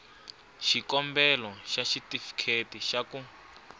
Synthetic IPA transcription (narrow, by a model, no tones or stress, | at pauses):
ʃikɔmbɛlɔʃaʃitifi̥kʰetiʃaku